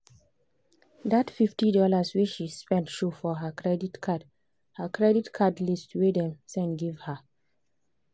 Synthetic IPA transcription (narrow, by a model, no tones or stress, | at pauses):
datfiftidɔlasweʃispɛ̃ntʃofɔɦakʰɹɛditkʰad | həkʰɹɛditkʰadlistwedɛ̃msɛ̃nɡivha